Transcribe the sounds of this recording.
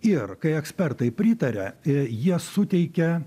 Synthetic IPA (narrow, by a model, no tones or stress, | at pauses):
ɪrkɐɪɛksʲpʲɛrt̪ɐɪpʲɾʲɪːt̪ɐɾʲɛjiɛsʊt̪ʲɛɪkʲɛ